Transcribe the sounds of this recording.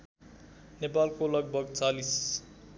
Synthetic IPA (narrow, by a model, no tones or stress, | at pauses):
nepalkolʌɡ̚bʱʌɡt͡salis